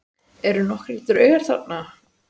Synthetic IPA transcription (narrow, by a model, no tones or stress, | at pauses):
ɛɾʏnɔhkɾliːt̪ʏɾœːɥɣaɾ̥θa̰t̪na